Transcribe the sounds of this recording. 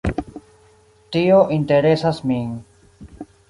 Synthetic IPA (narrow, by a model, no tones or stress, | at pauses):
tioʔinte̞ɾe̞sasmi